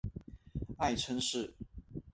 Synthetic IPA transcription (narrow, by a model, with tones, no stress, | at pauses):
a˥˨ɪʈ͡ʂʰə˥ŋʂɻ̩˥˨